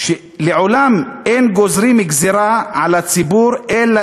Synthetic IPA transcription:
ʃe | leʕolamenɡozɾimiɡziɾaʕalat͡sibuɾela

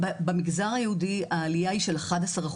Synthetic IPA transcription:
bemiɡzaʁajehudiaːlijaiʃe̞laχadasaʁaχ

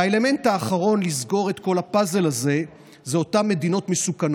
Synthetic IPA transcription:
aele̞me̞ntaːχaʁo̞nlizɡo̞ʁe̞tko̞lapaze̞laze̞ | zeo̞tamːe̞dino̞tmesukano

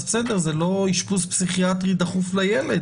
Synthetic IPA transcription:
besed̪eʁzelo̞iʃpuspsiχiat̪ʁid̪aχuflajeled̪

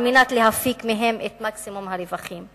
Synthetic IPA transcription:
minat̪leɦafikmeɦemet̪maksimumhaɾevaχim

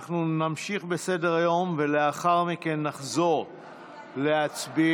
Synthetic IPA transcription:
χnunamʃiχbe̞se̞de̞ʁajo̞mve̞le̞aχaʁmike̞nːaχzo̞ʁ | le̞at͡sbi

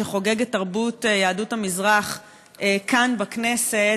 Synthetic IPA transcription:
eχo̞ɡe̞ɡetaʁbutjaːduthamizʁaχ | ekanbaknese

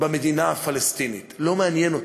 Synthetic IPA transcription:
bamed̪inaafalest̪init̪lo̞meanjenot

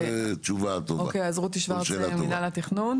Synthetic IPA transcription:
t͡ʃuvat̪ooakejazʁut̪iʃvaʁʃaminalat̪iχnun

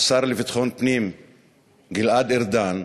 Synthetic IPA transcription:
saɾlevit̪χonpnim | ɡilad̪iɾd̪an

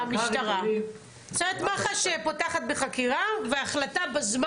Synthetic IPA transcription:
miʃt̪aʁa | sevet̪maχaʃepo̞taχat̪̚beχakiʁaveaχlatabazm

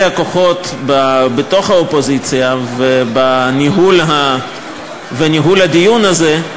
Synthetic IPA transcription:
hako̞χo̞t̪babet̪o̞χhaopo̞zit͡sijavebaniɦulɦa | veniɦulhad̪ijunaze

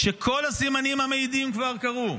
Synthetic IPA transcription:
ʃe̞kʰo̞lasimanimhameid̪imkvaʁkaʁu

